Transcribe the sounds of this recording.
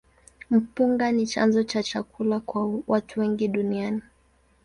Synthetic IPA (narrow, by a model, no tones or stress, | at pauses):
m̩puŋɡanit͡ʃa̰nzɔt͡ʃat͡ʃakulakwawatʰuwɛŋɡiɗuniani